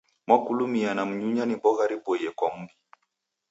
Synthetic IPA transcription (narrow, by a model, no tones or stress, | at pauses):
makulumianam̩ɲuɲanibɔɣaɾibɔjɛkwam̩bi